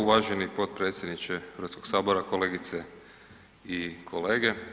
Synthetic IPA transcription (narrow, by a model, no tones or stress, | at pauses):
uʋaːʒenipo̞t̪̚pɾe̞ːt̪sjed̪nit͡ʃeɾat̪sko̞ɡ̥saːbo̞ɾako̞le̞ːɡit̪se | ikʰo̞leːɡe